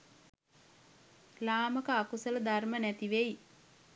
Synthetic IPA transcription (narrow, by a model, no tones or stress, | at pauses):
laːməkəakusələd̪armənæt̪iʋej